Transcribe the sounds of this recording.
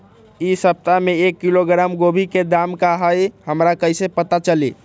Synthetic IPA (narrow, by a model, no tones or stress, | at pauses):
isəp̚t̪ameekːiloɡɾamɡobʱiked̪amkaɦəjhəmɾakəjsepət̪at͡ʃəli